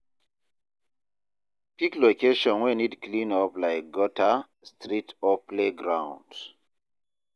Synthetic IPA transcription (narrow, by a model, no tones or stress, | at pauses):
piklokeʃɔ̃nwinidklĩnɔplaɪk̚ɡɔtʰa | stʰɾitɔpleɡɹãʊ̃nd